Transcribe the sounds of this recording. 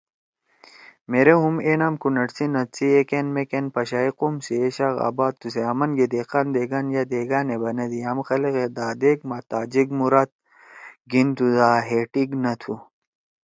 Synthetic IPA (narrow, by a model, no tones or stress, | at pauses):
meɾeɦumeːnaːmkunɐʈsinɐt̪siekenmekenpɐɕaiqumsieɕaɣa̰ːbaːd̪̚useɐmɐnɡed̪eːqand̪eːɡanjɐd̪eːɡaːnebɐnɐd̪iɐmxɐleɣed̪aːd̪ek̚mɐt̪aːd͡ʑiɡmuɾaːt̪̚ | ɡint̪ud̪aːɦeːʈiɡnɐt̪ʰu